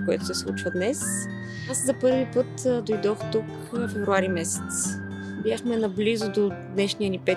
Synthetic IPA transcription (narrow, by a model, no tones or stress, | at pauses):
koɛ̰t̪ʊ̥sɛslˠṵt͡ʃvəd̪nɛs | aszɐpɤɾvipɤt̪d̪ojd̪ɔxt̪uk | fɛvɾuaɾimɛsɛ̥t̪s | bjaxmɛnɐblizʊd̪od̪nɛʃnijənipɛ